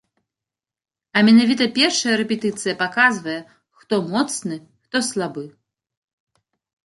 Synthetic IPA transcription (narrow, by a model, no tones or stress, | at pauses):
ɐmʲɛnavʲit̪ɐpʲɛrʂɐjɐɾɛpʲɛt̪ɨt̪sɨjɐpakazvɐjɛ | xt̪ɔmɔt̪snɨ | xt̪ɔslˠabɨ